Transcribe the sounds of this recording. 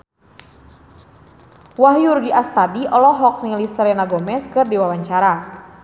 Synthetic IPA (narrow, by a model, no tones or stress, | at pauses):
waɦjurɡiʔast̪abiʔɔlɔɦɔk̚nilisɾɛnaɡɔmɛskɨrdiwawaɲt͡ʃaɾa